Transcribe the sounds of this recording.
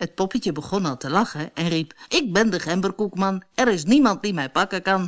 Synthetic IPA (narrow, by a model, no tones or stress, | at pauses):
hət̚pɔpəcəbəχɔnɑlˠtəlɑχəɛnripɪk̚bɪndəχɛmbərkukmɑnɛɾɪs̬nimɑnt̚dimɛjpɑkəkɑn